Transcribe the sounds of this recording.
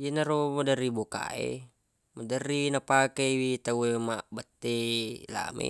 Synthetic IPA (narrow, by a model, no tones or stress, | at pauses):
jinaɾomədəɾiboka̰ḛ | mədərinapakewit̪auemaʔbət̪ːela̰mḛ